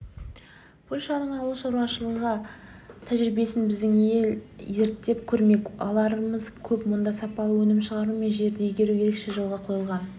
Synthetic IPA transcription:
pʰolʲʃɑnəɴɑwlˠəʃowɾɑʃəlˠəʁɑt̪ʰæʒɾɪbe̞sɪnbɪzd̪ɪŋe̞lje̞ɾt̪ːe̞pkʲʰɵɾme̞kɑlˠɑɾəməzkʲʰɵpmond̪ɑsɑpɑlˠəwɵnɪmʃəʁɑɾume̞nʒe̞ɾd̪ejeɡʲe̞ɾujeɾekʃeʒəlˠʁɑqʰo̞jəlˠʁɑn

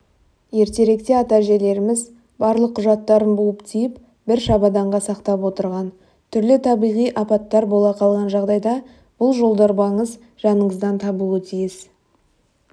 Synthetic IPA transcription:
je̞ɾt̪e̞ɾe̞kt̪e̞ɑt̪ɑʒe̞le̞ɾɪmɪz | bɑɾlˠəqʰːʊʒɑt̪ːɑɾənbulˠəpt̪ʰijɪp | bɪɾʃɑbɑd̪ɑɴʁɑsɑqt̪ɑpwo̞t̪əɾʁɑn | t̪ʰʏɾlɪt̪ʰɑbijʁijʔɑpɑt̪ːɑɾbo̞lˠɑqʰɑlˠʁɑnʒɑʁd̪ɑjd̪ɑ | b̥ʊlˠʒo̞lˠd̪ɑɾbɑɴəz | ʒɑnəɴəzd̪ɑnt̪ʰɑbuət̪ʰijɪz

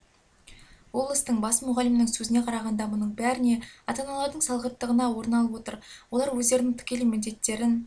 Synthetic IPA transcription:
wo̞blˠɪst̪əɴbɑsmʊʁɑlɪmnɪŋsɵzɪne̞qʰɑɾɑʁɑnd̪ɑmʊnəɴbæɾɪne̞ɑt̪ɑnɑlˠɑɾd̪əɴsɑlˠʁət̪ːəʁənɑwo̞ɾnɑlˠəpwo̞t̪əɾwo̞lˠɑɾwɵzd̪e̞ɾnɪŋt̪ʰʏ̥kʲe̞lɪmɪld̪e̞t̪ːe̞ɾɪn

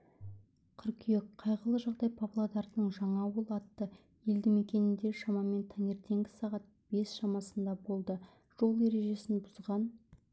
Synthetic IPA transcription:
qʰʏɾkʲʰyjekqʰɑjʁəlˠəʒɑʁd̪ɑjpʰablˠad̪ɑɾd̪əɴʒɑɴɑwəlˠɑt̪ːə | je̞ld̪ɪme̞kʲe̞nɪnd̪e̞ʃɑmɑme̞nt̪ʰɑne̞ɾt̪e̞ŋɡʲɪ̥sɑʁɑt̪̚b̥e̞sʃɑmɑsənd̪ɑbo̞lˠd̪ə | ʒ̥o̞lˠe̞ɾe̞ʒe̞sɪnbʊzʁɑn

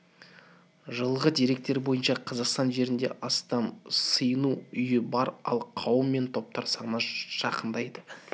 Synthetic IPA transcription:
ʒəlˠʁəd̪iɾe̞k̚t̪e̞ɾbo̞jənʃɑqʰɑzɑqst̪ɑnʒe̞ɾɪnd̪e̞̰ʔɑst̪ɑmsəjənuʏjɪbɑɾɑ̰lˠqʰɑwəmːe̞nt̪ʰo̞p̚t̪ɑɾsɑʁnɑʒ̥ɑqənd̪ɑjd̪ə

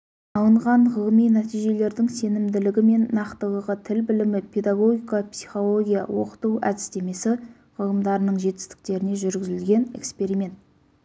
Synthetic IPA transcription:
ɑlˠəɴʁɑɴʁəlˠmijnæt̪ijʒe̞le̞ɾd̪ɪŋse̞nɪmd̪ɪlɪɡʲɪme̞nːɑqt̪əlˠəʁət̪ʰɪlbɪlɪmɪpʰe̞d̪aɡo̞ɡʲijkapsi̥χo̞lˠo̞ɡʲijɑ̰wo̞̰qə̥t̪uwæ̰d̪ɪ̥st̪e̞me̞sɪ | ʁʰəlˠəmd̪ɑɾənəɴʒe̞t̪ɪ̥st̪ɪ̥k̚t̪e̞ɾɪne̞ʒʏɾɡʲɪzɪlɡʲe̞ne̞̰kspe̞ɾijme̞nt̪

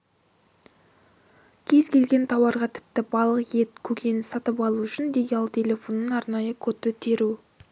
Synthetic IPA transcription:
kʲʰe̞zkʲe̞lɡʲe̞nt̪ʰɑwɑɾʁɑt̪ʰɪ̥p̚t̪ɪbɑlˠəqje̞t̪̚kʲʰɵkʲʰe̞nɪsɑt̪əpɑlˠuʏʃɪnd̪ejɑlˠt̪ʰʲe̞lʲe̞fo̞nːənɑɾnɑjəkʲʰɵt̪ɪt̪ʰe̞ɾu

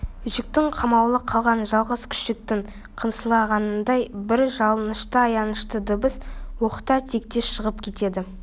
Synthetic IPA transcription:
ʒɪk̚t̪ɪɴqʰɑmɑwlˠəqʰɑlˠʁɑnʒɑlˠʁəz̥kʲʰʏ̥ʃɪk̚t̪ɪŋ | qʰənsəlˠɑʁɑnənd̪ɑjbɪɾʒɑlˠənəʃt̪əɑjɑnəʃt̪əd̪əbəswo̞χə̥t̪ɑt̪ʰe̞k̚t̪e̞ʃʃəʁəpkʲʰe̞t̪e̞d̪ɪ

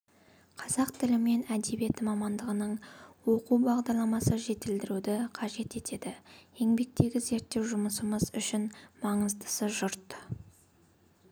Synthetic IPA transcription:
qʰɑzɑqt̪ʰɪlɪme̞næd̪e̞bie̞t̪ɪmɑmɑnd̪əʁənəɴwo̞qubɑʁd̪ɑɾlˠɑmɑsəʒe̞t̪ɪld̪ɪɾud̪ɪqʰɑʒe̞t̪e̞t̪e̞d̪ɪje̞ŋbe̞k̚t̪e̞ɡʲɪze̞ɾt̪ːe̞wʒʊməsəməzʏʃɪnmɑɴəzd̪ə̥səʒʊɾt̪

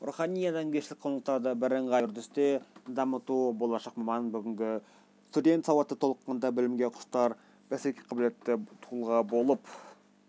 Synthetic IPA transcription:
ɾuχɑnʲijɑd̪ɑŋɡʲʰeʃɪlɪkqʰonəl̚ˠt̪ɑd̪əbɪɾəɴʁɑɾd̪ɪst̪ed̪ɑmət̪ubo̞lˠɑʃɑqmɑmɑnbʏɡʲɪŋɡʲɪ | st̪ud̪ʲe̞nt̪sɑwɑt̪ːət̪ʰo̞lˠqːɑnd̪ɑbɪlɪmɡʲeqʰʊ̥st̪ɑɾ | b̥æsekʲejqʰɑbɪlet̪ːɪt̪ʰulˠʁɑbo̞lˠəp

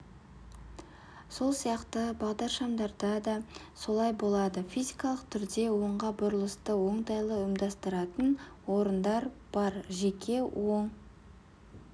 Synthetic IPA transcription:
so̞lˠsijɑqt̪əbɑʁd̪ɑɾʃɑmd̪ɑɾd̪ɑd̪ɑ | so̞lˠɑjbo̞lˠɑd̪əfijzijkɑlˠəqt̪ʰʏɾd̪e̞wo̞ɴʁɑbʊɾəlˠəst̪əwo̞ɴt̪ɑjlˠəɪmd̪ɑst̪əɾɑt̪ənwo̞ɾənd̪ɑɾb̥ɑɾʒe̞kʲʰe̞wʔoɴ

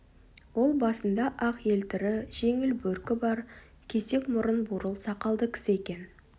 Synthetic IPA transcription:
wo̞lˠbɑsənd̪ɑʔɑqje̞lt̪ɪɾɪʒ̥e̞ŋɪlbɵɾkʲɪbɑɾ | kʲʰe̞se̞kmʊɾənbʊɾəlˠsɑqɑlˠd̪əkʲʰɪ̥sɪekʲe̞n

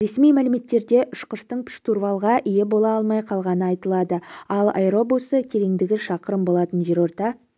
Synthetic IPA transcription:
ɾe̞smijmælɪme̞t̪ːe̞ɾd̪e̞ʔʏʃqəʃt̪əɴpʰʲɪ̥ʃt̪urvɑlˠʁɑʔijebo̞lˠɑɑlˠmɑjqʰɑlˠʁɑnəɑjt̪əlˠɑd̪əɑlˠɑ̰jɾo̞busəkʲʰe̞ɾe̞ŋd̪ɪɡʲɪʃɑqəɾəmbo̞lˠɑt̪ənʒeɾo̞ɾt̪ɑ

